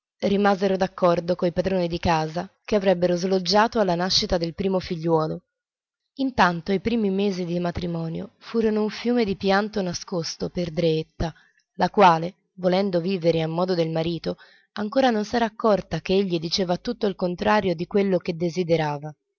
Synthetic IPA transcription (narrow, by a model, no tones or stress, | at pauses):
rimazeɾod̪akːɔrd̪okoipad̪ɾoːnid̪ikaːzakeavɾɛbːeɾozlod͡ʒːaːt̪oalːanaʃːit̪ad̪elpɾiːmofiʎːwɔːlo | int̪ant̪oipɾiːmimeːzid̪imat̪ɾimɔːnjo̰fuːɾonouɱfjuːmed̪ipjant̪onaskost̪operd̪ɾeet̪ːa | lakwaːle | volɛnd̪oviːveɾeamːɔːd̪od̪elmaɾiːt̪o | aŋkoːɾanonsɛːɾaːkːɔrt̪akeeʎːid̪it͡ʃeːvat̪ut̪ːoilkont̪ɾaːɾjod̪ikwelːok̟ed̪ːezid̪eɾaːva